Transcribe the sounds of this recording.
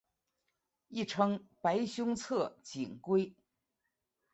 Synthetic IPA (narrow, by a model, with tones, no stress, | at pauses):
i˥˩ʈ͡ʂʰɤ˥ŋpa˧˥ɪɕjʊ˥ŋt͡sʰɤ˥˩t͡ɕi˨˩ŋkwe˥ɪ